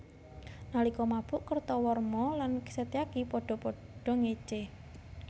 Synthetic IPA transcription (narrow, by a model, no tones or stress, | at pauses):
nalikɔmab̥ʊʔkərt̪ɔwɔrmɔlanki̥set̪eakipɔɖ̥ɔ̤pɔɖ̥ɔ̤ŋet͡ʃe